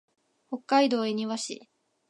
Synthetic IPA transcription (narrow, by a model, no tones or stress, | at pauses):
ho̞kːaid̪o̞ːeɲ̟iβaɕḭ